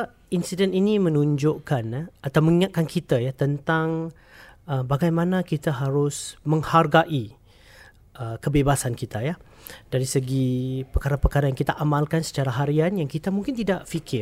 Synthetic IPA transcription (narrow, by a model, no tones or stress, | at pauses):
insidɛninimə̃nuɲd͡ʒʊʔkanat̪awməŋiŋat̪̚kankʰit̪ajat̪ənt̪aŋ | əbaɡajmãnãkit̪aɦaɾʊsmə̃ŋharɡaʔi | ʔəkəbebasankit̪aja | d̥aɾisəɡipəkaɾapəkaɾajaŋkit̪aʔamãlkansə̥t͡ʃaɾaɦaɾianjaŋkit̪amũŋkɪnt̪idaʔfikʰɪ